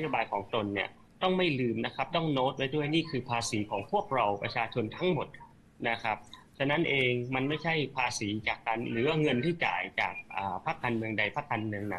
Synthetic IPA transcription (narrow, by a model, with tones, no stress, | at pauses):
na˥joː˧baː˧jkʰɔː˩˦ŋt̪o˧nːi˥˩ɐ | t̪ɔ˥˩ŋma˥˩jlɯː˧mna˦˥kʰa˦˥p̚t̪ɔ˥˩ŋnoː˦˥t̪̚pa˧jdu˥˩əjniː˥˩kʰɯː˧pʰaː˧siː˩˦kʰɔː˩˦ŋpʰu˥˩ək̚ɾa˧wpɾa̰˧t͡ɕʰaː˧t͡ɕʰo˧nt̪ʰa˦˥ŋmo˨˩t̪̚ | na˦˥kʰa˦˥p̚ | t͡ɕʰa˧na˦˥nʔeː˧ŋma˧nma˥˩jt͡ɕʰa˥˩jpʰaː˧siː˩˦t͡ɕaː˨˩kːa˧nɾɯː˩˦wa˥˩ŋɤ˧nt̪ʰiː˥˩ka̰ː˨˩jt͡ɕa̰ː˨˩k̚ʔaː˨˩pʰa˦˥kːaː˧nmɯ˧əŋda˧jpʰa˦˥kːaː˧nmɯ˧əŋna˦